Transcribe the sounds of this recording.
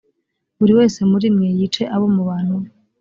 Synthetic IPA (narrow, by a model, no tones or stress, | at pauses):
βuɾiwe̞ːse̞muɾimŋeːjit͡ʃe̞ʔaβo̞muβaːn̥hu